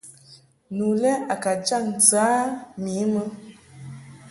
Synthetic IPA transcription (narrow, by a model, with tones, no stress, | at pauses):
nu˨lɛ˦ʔa˨ka˨d͡ʒa˦˨n̩˨t͡sɨ˨a˨˦mi˨˦mə˦